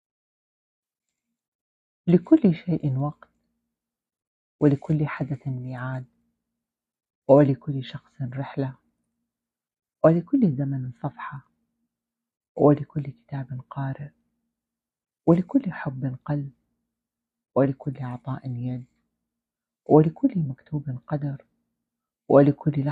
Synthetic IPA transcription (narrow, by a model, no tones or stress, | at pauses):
lɪkʊlːʃeːʔnwɑqt̪ | wɪlɪkʊlːħad̪aθɪnmiːʕaːd̪̚ | wɪlɪkʊlːʃɑxsˤɾɪħla | wɪlɪkʊlːzamansˤɑfħɑ | wɪlɪkʊlːkɪ̥t̪aːbɪnqɑːɾɪʔ | wɪlɪkʊlːħʊbːɪnqɑlb̚ | wɪlɪkʊlːɑʕt̪ˤɑːʔɪnjad̪ | wɪlɪkʊlːimakt̪uːbɪnqɑd̪ɑɾˤ | wʔɪlɪkʰʊlː